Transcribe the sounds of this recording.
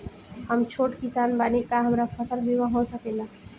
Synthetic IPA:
ɦəmt͡ʃʰoʈkisanbanikaɦəmɾapʰəsəlbʱiwaɦõsəkɛlã

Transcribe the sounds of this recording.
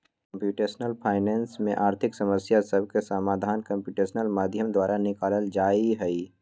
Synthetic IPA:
kə̃mpjuːʈeːsnəlpʰaːɪnɛːnsmẽʔaːɾt̪ʰɪksɐməsjasɐb̚ʱkesəmaːd̪ʱaːnkəmpjuːʈeːʃnəlmaːd̪ʱjəmd̪waːɾʔanɪkaːləld͡ʒaːiɦɛi

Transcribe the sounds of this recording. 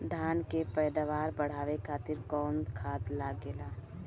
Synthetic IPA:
d̪ʱaːnkepɛːd̪aʋaːɾbəɽ̤aːʋekʰaːt̪ɪɾkɔːnd̪kʰaːd̪laːɡeːlaː

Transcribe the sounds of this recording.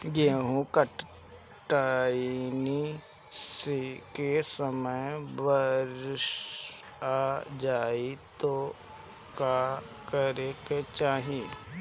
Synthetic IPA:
ɡeɦũkəʈ | ʈaːini | sekesəməjʋəɾʃ | aːd͡ʒaːit̪o | ka | kəɾeket͡ʃaːɦii

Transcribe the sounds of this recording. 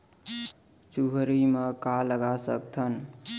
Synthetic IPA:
t͡ʃuɦɾiməkaləɡasə̰k̚t̪ʰən

